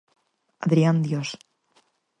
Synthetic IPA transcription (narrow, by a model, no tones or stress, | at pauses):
aðɾiand̪jos